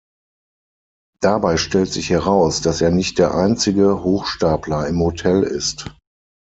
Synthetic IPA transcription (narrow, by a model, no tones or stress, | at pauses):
d̥abaɪʃtɛltz̥ɪçhɛʁaʊsd̥aseːɐnɪçt̚d̥eːɐʔaɪnt͡sɪɡəhoːxʃtaːpʰlɐɪmhotʰɛlɪ̰st